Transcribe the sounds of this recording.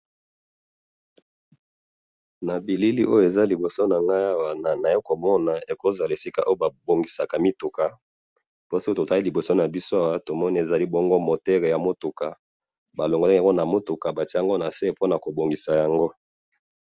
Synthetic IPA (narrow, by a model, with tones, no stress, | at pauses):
na˨bi˨li˦li˦ʔo˦jo˦˨e˨za˦li˨bo˨so˦na˨ŋɡa˦ja˦wa˨na˨na˨e˦ko˨mɔ˦na˨e˨ko˦za˨la˨e˨si˦ka̰˦˨ʔo˦o˦ba˨bo˨ŋɡi˨sa˨ka˨mi˦tu˨ka˨ | po˦si˦o˦to˨ta˦i˦li˨bo˨so˦na˨bi˦so˦a˨wa˦to˨mɔ˦ni˦e˨za˨li˦bɔ˦ŋɡo˦mo˨tɛ˦ʁe˨ja˨mo˦tu˨ka˨ | ba˨lo˨ŋɡo˨la˨ŋɡo˦na˨mo˦tu˨ka˨ba˨ti˦a˦ŋɡo˦na˨se˦po˦na˨ko˨bo˨ŋɡi˨sa˨ja˨ŋɡo˦